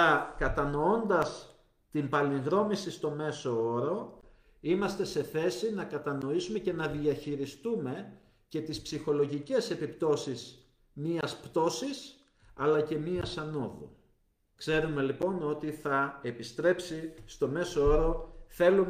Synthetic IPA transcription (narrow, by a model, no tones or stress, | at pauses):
ɐkɐt̪ɐno̞o̞nd̪ɐs | t̪impɐliŋɣɾo̞misist̪o̞me̞so̞oɾo̞ | imɐst̪e̞se̞θe̞sinɐkɐt̪ɐno̞isume̞ce̞nɐðiɐçiɾist̪ume̞ | ce̞t̪ispsixo̞lo̞ʝice̞se̞pipt̪o̞sis | miɐspt̪o̞sis | ɐlɐce̞miɐsɐno̞ðo̰ | kse̞ɾume̞lipo̞no̞t̪iθɐe̞pist̪ɾe̞psist̪o̞me̞soo̞ɾo̞θe̞lum